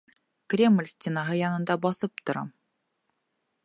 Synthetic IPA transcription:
krʲemlʲsʲtʲenɑɦɤjɑnɤ̆nd̪ɑbɒθɤp̚t̪ŏɾɑ

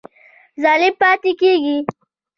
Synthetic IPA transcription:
zɑːlɪb̚pɑːt̪ikeɡi

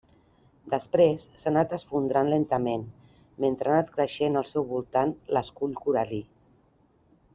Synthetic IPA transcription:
d̪əspɾesːanat̪əsfund̪ɾanlent̪əmen | ment̪ɾanat̪kɾəʃenəlˠsɛwβulˠt̪anləskuʎkuɾali

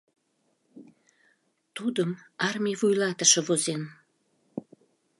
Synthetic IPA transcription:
t̪ud̪əmɑrmʲijvujlɑt̪əʃɤ̆vozen

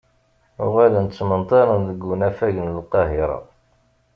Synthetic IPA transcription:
ʊʁælənt͡sːmənt̪ˤɑɾˤənðəɡːənæfæʝənəlqɑɦɪɾˤɑ̰

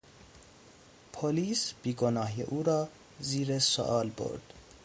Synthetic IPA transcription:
pʰoliːsb̥iːɡonɒːɦjḛʔuːɾɒː | ziːɾeso̰ʔɒːlbo̰ɾd̪̥

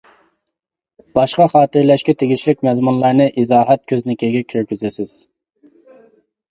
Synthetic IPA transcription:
b̥ɑʃqɑχɑːt̪ɨɾlɛʃkʲɛt̪ʰeɡʲit͡ʃʰlɪk̚ʲmɛzmunlˠɑɾnɨʔizɑːɦɛt̪̚kʲʰøznɪkʲʰeɡʲɛkʲʰøɾkʲyzɪsɪz̥

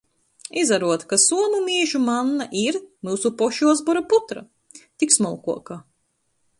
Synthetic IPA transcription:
izaɾuɔt̪kasuɔmumiːʒumanːaʔiɾmuːsupɔʃuɔzbɔɾaput̪ɾa̰ | t̪iksmɔlˠkuɔka

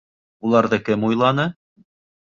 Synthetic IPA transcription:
ulˠɑɾðɤkɘmujlˠɑnɤ

